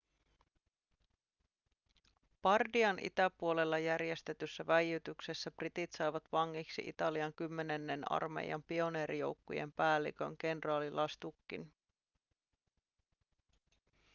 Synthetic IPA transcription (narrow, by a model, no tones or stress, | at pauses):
pɑrdiɑnʔḭt̪æpuo̞le̞lːɑjærje̞st̪e̞t̪ysːæʋæjyt̪yksesːæprit̪it̪sɑjʋɑt̪ʋɑŋːiksḭʔḭt̪ɑliɑŋkymːe̞ne̞nːenɑ̰rmḛjɑ̰mpio̞ne̞ːɾijo̞̰wkːṵjḛmpæːlːḭkø̞̰ŋɡe̞nrɑːlilʔɑst̪ukːḭn